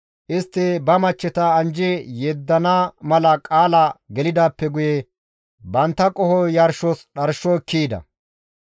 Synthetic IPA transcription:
ʔɪst̪ːɪbɐmɐt͡ʃːɛt̪ɐɐnd͡ʒɛjɛd̪ːɐnamɐlɐkʼaːlɐɡɛlɪd̪aːpːɛɡʊjɛ | bɐnt̪ːɐkʼɔhɔjɐɾʃɔsɗɐɾʃːɔkʰːiːd̪ɐ̰

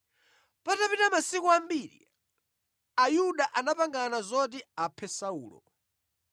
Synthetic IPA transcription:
patapitamasikɔambiːɾḭ | ajuɗaʔanapaŋɡanazɔt̬iapʰɛsaṵːlɔ̰

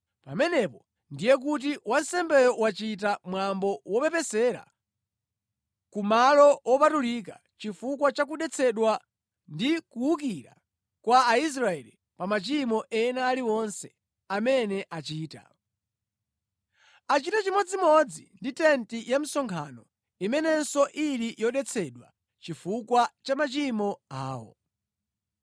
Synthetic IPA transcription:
pamɛnɛpɔ | ndijɛk̬ut̬iwansɛmbɛjɔwat͡ʃit̬amwambɔwɔpɛpɛsɛɾa̰ | kumalɔwɔpatulik̬a | t͡ʃifukwat͡ʃak̬uɗɛt͡sʰɛɗwa | ndikuuk̬iɾa̰ | kwaːis̬ɾaɛli | pamat͡ʃimɔʔɛnaːliwɔnsɛ | amɛnɛʔat͡ʃiːta̰ | at͡ʃitat͡ʃimɔd͡zimɔd͡zḭnditɛntijam̩sɔŋkʰa̰nɔ | imɛnɛnsɔʔilijɔɗɛt͡sʰɛɗwa̰ | t͡ʃifukwat͡ʃamat͡ʃimɔaːwɔ̰

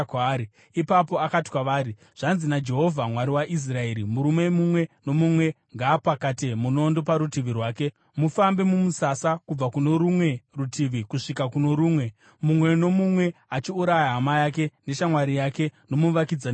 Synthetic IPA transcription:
kai | ipapo̞akati̥kwaʋaːɾi | ʐ̥anzinad͡ʒe̞ɦo̞vʱamwaɾiwaʔis̬rae̞ɾimuɾumemumwe̞no̞mumwe̞ | ŋɡapakatemuno̞ndo̞paɾutiʋirwaːke̞ | mufambe̞mumusasakub͡vakuno̞ɾumwe̞rutʰiʋikuʂikakuno̞ɾuːmwe̞ | mumwe̞no̞mumwe̞at͡ʃiuɾajaɦamajake̞ne̞ʃamwaɾijake̞no̞muʋakid͡za

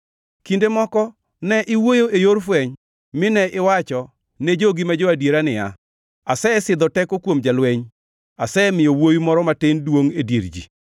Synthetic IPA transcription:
kindemɔkɔ | nɛʔɪwojoejoɾfwɛɲ | mɪnɛʔɪwat͡ʃɔ | ned͡ʒoɡimad͡ʒɔadjeɾanɪja̰ | asɛɛsɪd̪ɔtɛkokwomd͡ʒalweɲ | asɛɛmɪjowojumɔɾɔmatɪndwoŋedjeɾd͡ʒḭ

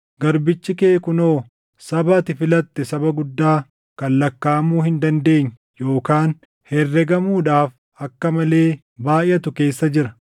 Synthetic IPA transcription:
ɡɐɾbɪt͡ʃːɪkeːkʊnoː | sɐbɐt̪ɪfɪlɐt̪ːɛsɐbɐɡʊd̪ːaː | kɐlːɐkːaːmuːhɪnd̪ɐnd̪e̞ːɲː | jo̞ːkaːn | hɛrːɛɡɐmuːᶑaːf | ɐkːɐmɐle̞ː | baːʔjʔɐt̪ʊke̞ːsːɐd͡ʒɪɾɐ

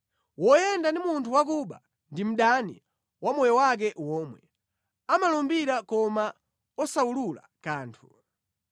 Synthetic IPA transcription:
wɔjɛndandimuntʰuwak̬uɓa̰ | ndim̩ɗanḭ | wamɔjɔwak̬ɛwɔːmwɛ̰ | amalɔmbiɾakɔma | ɔsaulula̰ | kaːntʰu

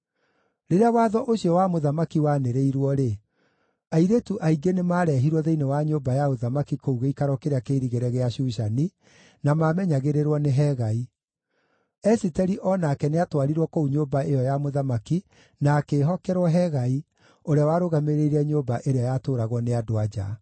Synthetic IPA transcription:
ɾeɾeawaːðɔʔoɕiɔwamoðamakiwaneɾeiɾwɔɾe | aiɾetuʔaiɡenemaːɾɛɦiɾwɔðeinewaɲoːbajaoðamakikouɣeikaɾwɔkeɾeakeɾiɣeɾɛɣeaɕuːɕani | namaːmɛɲaɣeɾeɾwɔneɦɛɣai | ɛsitɛɾiʔɔnakɛneatwaɾiɾwɔkouɲoːbaejɔjamoðamaki | naːkeːɦɔkɛɾwɔɦɛɣai | oɾeawaːɾoɣameɾeiɾɛɲoːbaʔeɾeajatoːɾaɣwɔneadoad͡ʑa̰

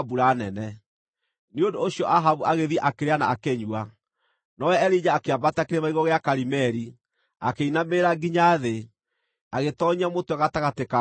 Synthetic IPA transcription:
buɾanɛnɛ | neondoːɕiɔʔaɦaβuaɣeðiaʔakeɾeanaːkeɲua | nɔwɛɛɾid͡ʒaːkeabatakeɾemaiɣɔɣeakaɾimɛɾi | akeinameɾaɡiɲaðe | aɣetɔɲiamotɛɣataɣateka

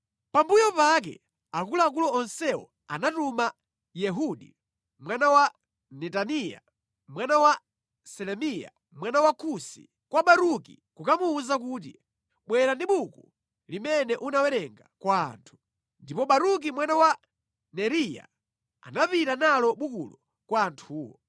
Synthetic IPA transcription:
pambujɔpak̬ɛ̰ | akulɔak̬ulɔːnsɛɔ̰ | a̰natuma | jɛɦuɗi | mwanawa | nɛtanija̰ | mwanawa | sɛlɛmija̰ | mwanawakʰusḭ | kwaɓaɾukḭ | kukamuːzakut̬ḭ | ɓwɛɾandiɓuku | limɛnɛʔunawɛɾɛŋɡakwa̰ːntʰu̥ | ndipɔɓaɾuk̬imwanawa | nɛɾija̰ | a̰napitanalɔɓukṵlɔ | kwaːntʰuːwɔ̰

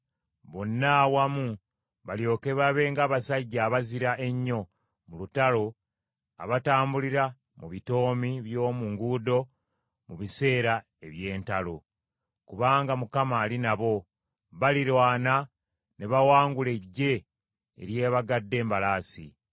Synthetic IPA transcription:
βo̞nːawamu | βaljo̞ːke̞βaβe̞ŋɡaːβasaɟːaːβaziɾaʔe̞ɲːo̞ | mulutalo̞ | a̰βataːmbuliɾa | muβito̞ːmiβjo̞ːmuŋɡuːdo̞ | muβise̞ːɾa | e̞βje̞ːntalo̞ | kuβaːŋɡamukamaːlinaβo̞ | βaliɾwaːna | ne̞βawaːŋɡule̞ɟːe̞̰ː | ɾje̞ːβaɡadːe̞ːmbalaːsḭ

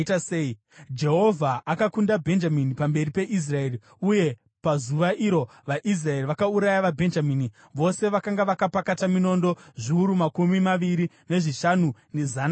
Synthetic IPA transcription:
tasei | d͡ʒe̞ɦo̞vʱaʔːkakundabʱe̞nd͡ʒaminipambe̞ripe̞ʔis̬rae̞ːri | uje̞ | pazuʋaʔiɾo̞ | ʋaʔis̬raeriʋakauɾajaʋabʱe̞nd͡ʒamiːni | ʋo̞se̞ʋakaŋɡaʋakapakatamino̞ndo̞ʐiuɾumakumimaʋiɾi | ne̞ʐiʃanune̞zan

